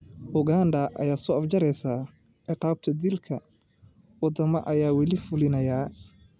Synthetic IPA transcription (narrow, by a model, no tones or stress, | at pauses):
hʊɡaːnd̪ɐʔɐ̰jaːsɔʔɐfd͡ʒɐɾɛjsaː | ʔɪqɑːb̚t̪ʰɐd̪ilkʰɐ | wɑd̪ɐmɐʔɐjaːwɑlɪfʊlɪnɐjaː